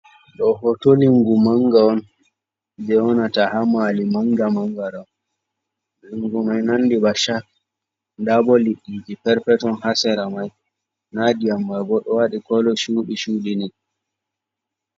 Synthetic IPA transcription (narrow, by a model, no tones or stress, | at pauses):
ɗɔɦɔtoliŋɡumaŋɡaɔn | d͡ʒɛwɔnatahamalimaŋɡamaŋɡaɗɔn | liŋɡumajnanːdibaʃak̚ | ndabɔliɗːid͡ʒipɛɾpɛtɔnhasɛɾamaj | nadiamːajbɔɗɔwaɗikɔlɔʃuːɗiʃuːlini